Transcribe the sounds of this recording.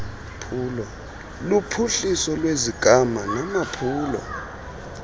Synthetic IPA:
pʰuːlɔ | lupʰuɬisɔlweziɡ̥ʱamanamapʰuːlɔ̰

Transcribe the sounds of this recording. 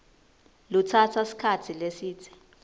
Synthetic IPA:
lutʰatʰasi̥kʰatʰilesiːtʰi̥

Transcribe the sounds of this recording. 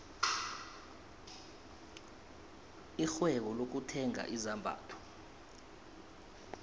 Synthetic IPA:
ixwɛk̬ɔlok̬utʰɛŋa̰ʔizambʱa̰ːtʰɔ̥

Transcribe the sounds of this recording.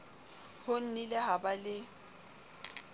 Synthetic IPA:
hʊn̩nɪlɪɦabalɪ

